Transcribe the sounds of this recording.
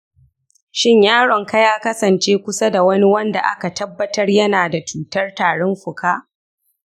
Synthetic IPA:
ʃɪ˦ɲjaː˦ɽɔ˨ŋka˦jaː˦kɐ˦sɐ˨nt͡ʃeː˦kʷʊ˦sa˦da˨wɐ˦ni˦wɐ˦nda̰˨ʔa̰˦ka˨tɐ˦bːɐ˦tɐ˦rjɐ˦naː˨da˨t͡ʃuː˦˨tɐ˦rtaː˨ɽɔ˦mɸʊ˨kʰaː˦ʔ

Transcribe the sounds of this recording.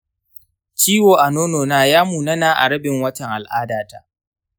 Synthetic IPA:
t͡ʃiː˦woː˨ʔa˨noː˦noː˨naː˦jaː˦muː˨nɐ˦naː˦ʔa̰˨ɽɐ˦bɪ˨ŋwɐ˦tɐ˨ŋʔa˨lʔaː˦daː˨ta̰˦ʔ

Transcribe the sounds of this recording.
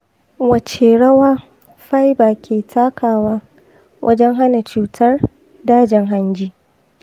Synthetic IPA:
wɐ˨t͡ʃeː˨ɽɐ˦waː˦ | ɸa˦jbaː˨kʲʰeː˨tʰaː˦kʰaː˨waː˦ | wʔɐ̰˦d͡ʒɛ˦ŋɦa˦na˨t͡ʃuː˦tʰɐ˦r | daː˦d͡ʒɪ˨ŋɦa˦nd͡ʒiː˦

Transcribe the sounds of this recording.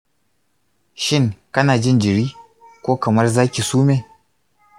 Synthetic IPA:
ʃɪ˦˨ŋkɐ˦naː˨d͡ʒɪ˦nd͡ʒɪ˨ɾiː˦ | kʷoː˦kɐ˨mɐ˦rzaː˦kʲi˨suː˦meː˨

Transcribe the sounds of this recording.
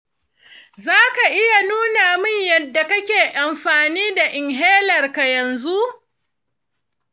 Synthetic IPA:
zaː˦ka˨ʔɪ˦ja˨nuː˦naː˨mɪ˦ɲjɐ˨dːa˨kɐ˦kʲeː˨ʔa˨mɸaː˨niː˦da˨ʔɪ˨ŋɦeː˦lɐ˨rka˨jɐ˨nzu˦ʔ

